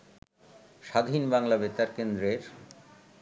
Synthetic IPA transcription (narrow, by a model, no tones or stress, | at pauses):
ʃad̪ʱinbaŋlabet̪aɾkend̪ɾeɾ